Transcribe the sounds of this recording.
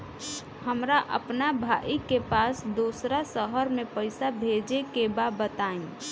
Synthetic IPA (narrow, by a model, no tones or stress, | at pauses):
həmɾaʔə̰pnabʱaʔikepaːsd̪uːsɾasəɦəɾmẽpəɪsabʱed͡ʒekebabət̪aːĩ